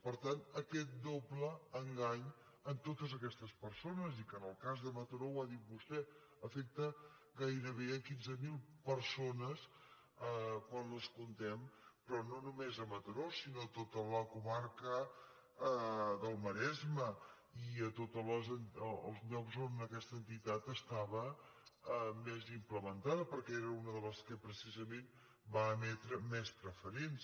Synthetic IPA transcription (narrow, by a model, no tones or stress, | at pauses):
pəɾt̪anəkɛt̪̚d̪obləəŋɡaɲ | ənt̪ot̪əzəkɛst̪əspəɾsonəzikənəlˠkazðəmət̪əɾowaðit̪̚bust̪ɛ | əfek̚t̪ə | ɡajɾəβ̞eəkinzəmilˠpəɾsonəs | əkwanləskunt̪ɛmpɾɔnonumezəmət̪əɾosinoət̪ot̪ələkumaɾkə | ðəlˠməɾɛzmə | iət̪ot̪ələzənːlˠzʎɔkzonəkɛst̪ənt̪it̪at̪əst̪aβə | mɛzimpləmənt̪aðəpəɾkɛeɾəunəðələskəpɾəsizəmen | baːmɛt̪ɾəmɛspɾəfəɾens